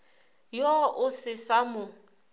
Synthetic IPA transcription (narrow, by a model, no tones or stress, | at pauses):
jɔʔʊsɪsamʊ